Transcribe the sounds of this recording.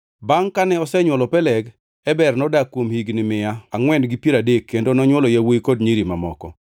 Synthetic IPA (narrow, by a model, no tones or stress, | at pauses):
baŋkanɛɔsɛɲwɔlɔpɛlɛɡ | ɛbɛrnɔdakːwomhiɡnɪmɪaaŋwɛndɡipjiɾadekːendonɔɲwɔlɔjawojkodɲiɾimamɔ̰kɔ̰